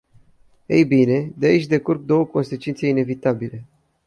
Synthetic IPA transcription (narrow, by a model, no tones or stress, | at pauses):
ḛjbine̞d̪eait͡ʃʲd̪e̞kurɡ̚d̪o̞wəko̞nse̞t͡ʃint̪se̞ine̞vit̪abile̞